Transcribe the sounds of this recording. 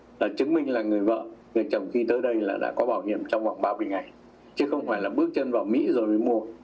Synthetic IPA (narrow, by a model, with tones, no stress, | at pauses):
laː˨˩t͡ɕɨ˨˦ŋmï˧ŋ̟laː˨˩ŋɨ˨˩əjvə̰ː˧˨ŋɨ˨˩jt͡ɕɔ˨˩wŋ͡mxi˧t̪əː˨˦jɗə˧jlaː˨˩ɗa̰ː˧˥kɔ˨˦ɓaː˧˩wɦḭ˧˨əmt͡ɕɔ˧wŋ͡mva˨˩wŋ͡mɓaː˧mɨ˧əjŋa˨˩j | t͡ɕɨ˨˦xə˧wŋ͡mfaː˧˩jlaː˨˩ɓɨ˦˥ək̚t͡ɕə˧nvaː˨˩wmḭ˧˥zo˨˩jməː˨˦jmu˧ə